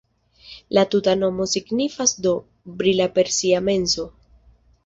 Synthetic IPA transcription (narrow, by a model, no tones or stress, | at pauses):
latutano̞mo̞siɡnifasdo̞ | bɾilape̞ɾsiame̞nso̞